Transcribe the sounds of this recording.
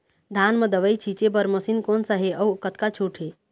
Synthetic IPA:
d̪ʱaːnməd̪əʋəjt͡ʃʰit͡ʃebəɾməsinkoːnsaɦeʔəwkət̪kat͡ʃʰuːʈʰɦe

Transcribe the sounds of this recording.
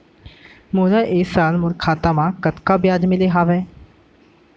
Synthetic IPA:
mʊːɾaːʔɪːsaːlmʊɾkʰaːt̪amãːkət̪kaːbɪjaːd͡ʒmɪleɦaːʋɛː

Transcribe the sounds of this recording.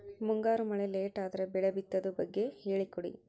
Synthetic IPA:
muŋɡaːɾumɐɭeleːʈaːd̪ɐɾebɛɭɐbit̪ːɐd̪ɐbɐɡːe̞he̞ːɭikɔɽḭ

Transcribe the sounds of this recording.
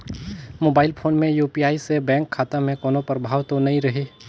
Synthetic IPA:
moːbaːɪlpʰoːnmẽjuːpiaːisebɛ̃ːŋkʰːaːt̪amẽkɔːnõpəɾəbʱaːʋt̪onɐɦĩɾɐɦeː

